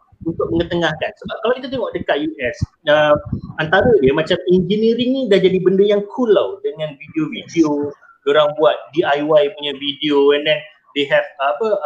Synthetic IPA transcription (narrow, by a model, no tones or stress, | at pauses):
unt̪ʊk̚məŋət̪əŋahkansəbap̚kalawkit̪ut̪̬eŋɔʔdəkat̪̚juʔɛs | əant̪aɾadiəmãt͡ʃamind͡ʒəniɾiŋnidahd͡ʒadibəndəjaŋkʰulawdəŋãnvideovideo | doɾaŋbuat̪̚diajwajpuɲavideoɛndɛn | deɦɛfpə